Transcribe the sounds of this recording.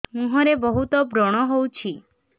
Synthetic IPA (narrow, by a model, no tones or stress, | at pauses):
mũɦɔɾebɔɦut̪ɔbɾɔɽ̃ɔɦowt͡ʃʰi